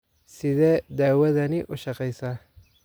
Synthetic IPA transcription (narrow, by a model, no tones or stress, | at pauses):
sɪðɛːd̪aːwɐðɐnɪʔʊʃɑqɛjsɐ